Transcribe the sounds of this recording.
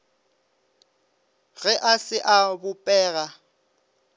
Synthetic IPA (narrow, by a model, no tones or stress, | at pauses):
ɣɛʔasɪʔabʊpʼɛːɣa